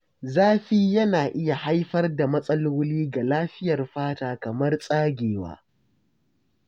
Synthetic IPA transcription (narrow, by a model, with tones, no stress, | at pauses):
zaː˦ɸiː˦jɐ˦naː˨ʔɪ˦ja˨ha˦jɸɐ˦rda˨mɐ˦sʼɐ˦loː˦liː˦ɡa˨laː˦ɸɪ˦jɐ˨rɸaː˦taː˦kɐ˨mɐ˦rsʼaː˦ɡʲeː˨wa̰ː˦